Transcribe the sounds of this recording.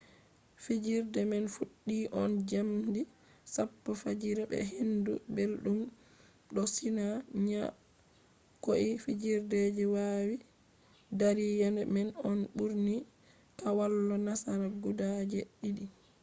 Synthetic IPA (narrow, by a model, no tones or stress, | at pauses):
fid͡ʒiɾdɛmɛnfuɗːiʔɔnd͡ʒamdi | sapːɔfad͡ʒiɾɛbɛ̰ɦindṵbelɗum | ɗɔsinaɲa | koʔifid͡ʒiɾdɛd͡ʒɛwaːwi | daɾijanɛmɛnɔnɓuɾni | kawalːɔnasaɾaɡudad͡ʒɛɗidi